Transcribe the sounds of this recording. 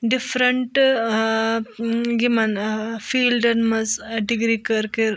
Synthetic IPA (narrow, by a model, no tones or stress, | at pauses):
ɖifɾəɳʈ | ɡimanfiːlɖənməd͡zɖiɡɾikəɾkeɾ